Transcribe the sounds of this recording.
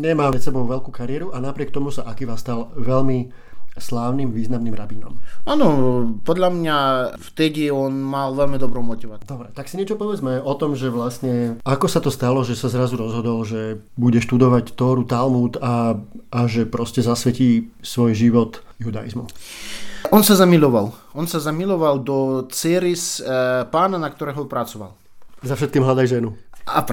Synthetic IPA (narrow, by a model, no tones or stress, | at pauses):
ɲɛmaːɾɛt̪sɛbɔʊʋɛʎkuːkaɾɪɛɾuʔanapɾɪɛkt̪ɔmusaʔakiʋast̪alʋɛlmi | slaːʊnimʋiːznamniːmɾabinɔ̰maːnɔpɔd̪ʎamɲaft̪ɛɟiɔnmalʋɛlmid̪ɔbɾɔmɔt̪iʋad̪̥ɔbɾɛt̪aksiɲɛt͡ʃɔpɔʋɛd͡zmɛɔt̪ɔmʒɛʋlast̪ɲɛakɔsat̪ɔst̪alɔʒɛsazɾazuɾɔzɦɔd̪ɔlʒɛ | buɟɛʃt̪ud̪ɔʋact̪ɔːɾut̪almuːt̪aʔaʒɛpɾɔscɛzasʋɛciːsʋɔjʒiʋɔt̪ | jud̪a̰jḭzmṵ | ʔɔnsazamilɔʋal | ɔnsazamilɔʋald̪ɔt͡sɛɾispaːnanakt̪ɔɾɛːɦɔpɾat͡sɔʋa̰l | zafʃɛt̪̚kiːmɦlad̪ajʒɛnua